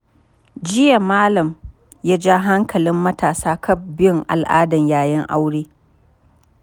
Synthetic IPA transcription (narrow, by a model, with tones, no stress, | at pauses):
d͡ʒɪ˦ja˨maː˦lɐ˨m | ja˦d͡ʒaː˦ɦa˦ŋkʰɐ˨lɪ˦mːɐ˦taː˨saː˦kʰɐ˦˨b̚bɪ˦jʊ˨ŋʔa̰˨lʔaː˦dɐ˨ɲjaː˦˨jɪ˦ŋʔa˦wɽeː˦